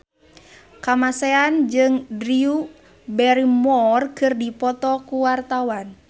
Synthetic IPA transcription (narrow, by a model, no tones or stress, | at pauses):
kamasɛand͡ʒɨŋdɾiu | bɛɾimɔrkɨrdipɔt̪ɔkuwart̪awan